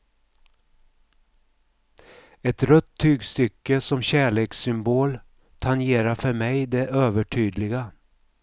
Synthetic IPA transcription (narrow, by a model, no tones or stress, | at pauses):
ɛt̪ɾœt̪ʰːyːɡst̪ʏkːəsɔmɕæːɭeːksʏmboːl | t̪ʰanjeːɾaɾfœɾmɛjd̪ɛʔøːvəʈʰyːd̪lɪɡa